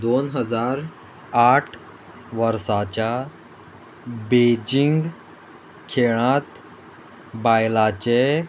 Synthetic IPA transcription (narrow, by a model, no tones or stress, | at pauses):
d̪onɦəd͡zaɾ | aʈʰ | ʋəɾsat͡ɕja | bed͡ʑiŋɡ | kʰeɭãt̪ | bajlat͡ɕe